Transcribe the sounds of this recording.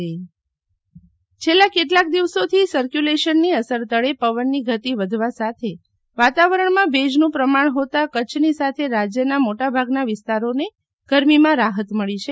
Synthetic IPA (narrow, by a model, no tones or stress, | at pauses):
t͡ʃʰelːakeʈlak̚d̪iʋsot̪ʰisəɾkjuleʃənːiəsəɾt̪əɭepəʋənːiɡʱət̪iʋəd̪ʱʋasat̪ʰe | ʋat̪aʋəɾəɳmãbʱed͡ʒnũpɾəmaɳɦot̪akət͡ʃʰnisat̪ʰeɾad͡ʒjənamoʈabʱaɡnaʋɪst̪aɾone | ɡ̥əɾmimãɾaɦət̪məɭit͡ʃʰe